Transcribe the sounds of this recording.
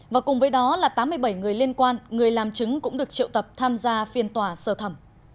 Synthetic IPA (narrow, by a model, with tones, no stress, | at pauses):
vaː˨˩kʊ˨˩ŋ͡mvəː˨˦jɗɔ˨˦laː˨˩t̪aː˨˦mːɨ˧əjɓə˧˩jŋɨ˨˩əjli˧ənkwaː˧nŋɨ˨˩əjlaː˨˩mt͡ɕɨ˨˦ŋkʊ̰˧˥ŋ͡mɗɨ˨˩ək̚t͡ɕḭ˧˨wt̪ə˨˩p̚t̪ʰaː˧mzaː˧fi˨˩ənt̪waː˨˩səː˧˩t̪ʰə˧˩m